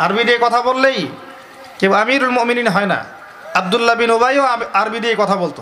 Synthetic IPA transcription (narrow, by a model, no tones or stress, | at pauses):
aɾbid̪ekɔt̪ʰabolːej | keboamiɾulmoʔmininɦɔena̰ | ab̚d̪ulːabinobajoaɾbid̪ekɔt̪ʰabolt̪o